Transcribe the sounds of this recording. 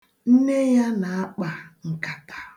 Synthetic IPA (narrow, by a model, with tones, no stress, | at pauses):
n̩˦ne˦ja˦na˨a˦k͡pa˨ŋ̩˨ka˨tḁ˨